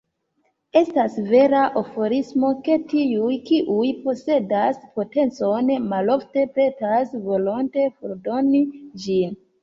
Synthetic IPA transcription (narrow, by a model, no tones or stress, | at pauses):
e̞stasve̞ɾaʔofo̞ɾismo̞ke̞tiujkiʔujpo̞se̞daspo̞te̞nt͡so̞nmalo̞fte̞pe̞tasvo̞lonte̞foɾdo̞nid͡ʒin